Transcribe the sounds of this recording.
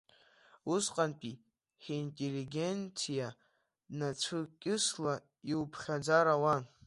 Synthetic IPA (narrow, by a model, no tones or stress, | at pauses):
usqʼanpʼi | ħintʼeliɡʲe̞nt͡sʰija | nat͡sʷʰɨkʲʼɪsla | iwpʰχʲad͡zaɾawan